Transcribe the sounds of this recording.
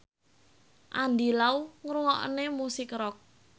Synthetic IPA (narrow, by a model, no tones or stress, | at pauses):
ʔand̪ilauŋɾuŋɔʔnemusɪkɾɔk̚